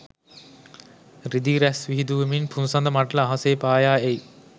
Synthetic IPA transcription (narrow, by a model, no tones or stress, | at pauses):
ɾid̪iːɾæsʋiɦid̪uʋəminpʰunsɐnd̪ɐmaʈlɐːɦɐseːpaːjaːej